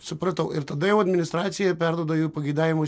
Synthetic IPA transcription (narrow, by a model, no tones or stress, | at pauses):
sʊpɾɐt̪ɐʊɪɾt̪ɐd̪ɐjɛʊɐd̪ʲmʲɪnʲɪst̪ɾɑːt̪sʲɪjɛpʲɛɾd̪uɔd̪ɐjupɐɡʲɐɪd̪aːʋʲɪmo